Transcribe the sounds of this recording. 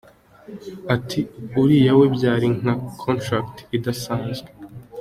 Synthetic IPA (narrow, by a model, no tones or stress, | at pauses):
atʰiuɾijawe̞bjaːɾiŋ̥akʰontɾaktidasãːnzɡe